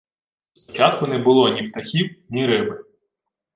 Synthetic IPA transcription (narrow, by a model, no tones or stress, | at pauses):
spɔt͡ʃɑt̪kʊnɛbʊlˠɔnʲift̪ɐxʲiwnʲiɾɪbɪ